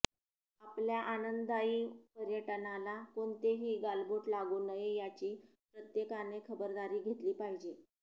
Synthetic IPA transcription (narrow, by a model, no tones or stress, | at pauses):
apljaʔanənd̪d̪aiːpəɾjəʈənalakoɳt̪eɦiːɡalboʈlaɡuːnəjejat͡ɕiː | pɾət̪jekanekʰəbəɾd̪aɾiːɡʱet̪liːpaɦid͡ʑe